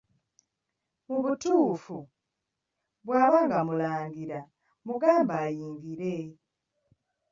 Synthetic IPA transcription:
muβutuːfu | βwaːβaːŋɡamulaːŋɡiɾa | muɡaːmbajiːŋɡiɾe

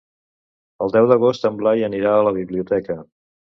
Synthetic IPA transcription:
əlˠd̪ɛwðəɣ̞ost̪əmblajəniɾaələβ̞iβliut̪ɛkə

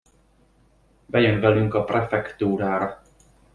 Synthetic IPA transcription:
bɛjønvɛlyŋkɒprɛfɛkt̪uːɾaːɾɒ

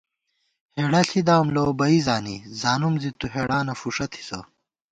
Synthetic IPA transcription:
heːɽɐɬid̪aːmlobɐizaːnizaːnumzit̪uɦeːɽaːnɐfuʂɐt̪ʰi̥sɐ̰

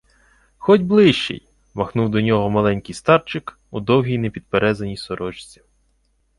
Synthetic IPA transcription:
xɔtʲblˠɪʃt͡ʃḛj | mɐxnuwd̪ɔnʲɔɦɔmɐlˠɛnʲkɪjst̪ɑrt͡ʃɪk | ud̪ɔwɦʲijnepʲid̪̚peɾɛzɐnʲijsɔɾɔt͡ʃt͡sʲi̥

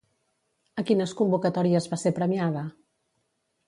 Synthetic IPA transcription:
əkinəskumbukət̪ɔɾiəzβasepɾəmiaðə

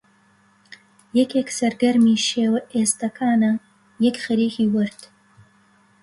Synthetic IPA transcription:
jɛkʰeksɐɾɡɐɾmiːʃeːwɐʔeːst̪ɐkʰaːnɐ | jɐkχɐɾiːxiːwɐɾt̪ʰ

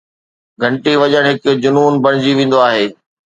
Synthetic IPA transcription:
ɡʱɐ̃ɳʈiʋɐʄəɽ̃ɦɪkd͡ʑʊnuːnbɐɽ̃ɪd͡ʑiʋẽːn̆d̪oaːɦeː

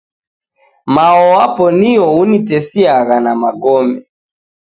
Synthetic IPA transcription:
maɔapɔniɔunitɛsiaɣanamaɡɔmɛ

